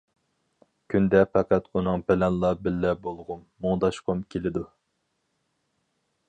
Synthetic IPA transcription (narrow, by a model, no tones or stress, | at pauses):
kʲʰynd̪ɛpɛqæt̪unɨŋbɛlɛnlˠɑbɪlːɛbolˠʁʊmːuŋd̪ɑʃqʰʊmkʲʰelɪd̪u